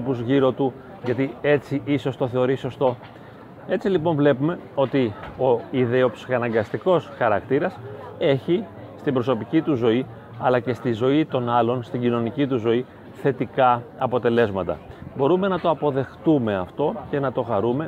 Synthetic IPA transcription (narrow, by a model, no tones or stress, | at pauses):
puzʝiɾo̞t̪u | ʝɐt̪ie̞t͡siʔiso̞st̪o̞θe̞o̞ɾiso̞st̪o̞ | e̞t͡silipo̞ɱvle̞pume̞o̞t̪io̞iðe̞opsixɐnɐŋɡɐst̪iko̞sxɐɾɐkt̪iɾɐse̞çi | st̪imbɾo̞so̞picit̪uzo̞i | ɐlɐce̞st̪izo̞it̪o̞nɐlo̞nst̪iɟino̞nicit̪uzo̞i | θe̞t̪ikɐɐpo̞t̪e̞le̞zmɐt̪ɐ̰bo̞ɾume̞nɐt̪o̞ɐpo̞ðe̞xt̪ume̞ɐft̪o̞ce̞nɐt̪o̞xɐɾume̞